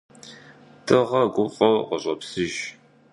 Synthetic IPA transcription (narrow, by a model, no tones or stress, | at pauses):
tʰɨʁɐɡʷʊqʼɔqɔɕʼɐpsɨʒ